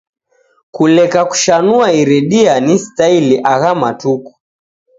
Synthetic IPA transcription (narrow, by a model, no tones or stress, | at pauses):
kulɛkaku̥ʃanuaiɾɛɗianistailiʔaɣamatuku̥